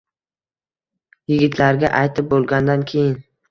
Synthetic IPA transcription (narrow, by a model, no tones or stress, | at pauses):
jɪɡʲɪt̪ʰlaɾɡʲa̰ʔajt̪ʰɪp̚bolˠɡʲand̪ankʲʰe̞jɪn